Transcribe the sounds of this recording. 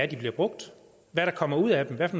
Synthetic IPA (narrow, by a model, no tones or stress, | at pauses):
æd̥ib̥liɐb̥ʁɔ̽ɡ̥̚d̥ | ʋæɾ̥ɑ̈kʰɒ̽m̰ɐuð̞̰ˠæd̥emʋæfɒn